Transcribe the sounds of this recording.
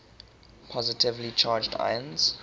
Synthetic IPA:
pʰɔzɪtʰɪvlit͡ʃʰaːd͡ʒda̰ɪə̃nz̥

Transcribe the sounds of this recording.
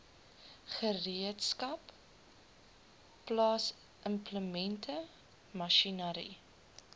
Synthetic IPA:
χəriətskɐp | lɑːs | ʔəmpləmɛntʰə | mɐʃinəɾḭ

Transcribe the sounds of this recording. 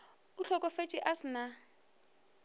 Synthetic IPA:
ʊɬʰɔkʼɔfet͡ʃʼɪʔasɪna

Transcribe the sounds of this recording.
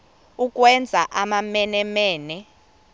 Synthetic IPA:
uk̬ʼwɛnd͡zʱaʔamamɛnɛmɛːnɛ

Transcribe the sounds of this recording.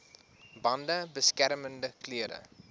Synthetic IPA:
bɐndəbəskæɾməndəkliəɾə̰

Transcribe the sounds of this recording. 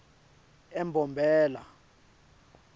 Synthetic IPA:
ɛmbʱɔmbʱɛːla̰

